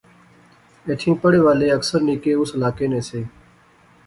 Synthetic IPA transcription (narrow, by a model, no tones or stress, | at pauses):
eːt̪ʰĩːpəɽeːʋaːleːəksəɾniːkeːʊsəlaːkeːnẽːseː